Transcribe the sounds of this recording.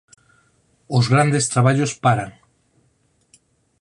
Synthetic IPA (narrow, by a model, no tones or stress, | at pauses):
ʊzɣɾand̪est̪ɾaβaʎospaɾaŋ